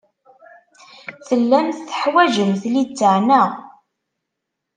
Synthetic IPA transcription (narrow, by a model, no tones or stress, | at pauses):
θəlːænθθə̥ħwæʒəmθlit͡sːəʕnæ